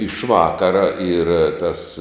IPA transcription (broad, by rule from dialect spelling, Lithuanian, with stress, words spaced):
ɪʃ ˈʋɑːkɐrɐ iːr tɐs